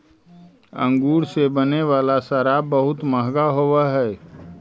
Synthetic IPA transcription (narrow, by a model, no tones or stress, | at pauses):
ə̰̃ŋɡuːɾsebəneʋaːlasaɾaːbəɦʊt̪məɦɡaɦowaɦɛː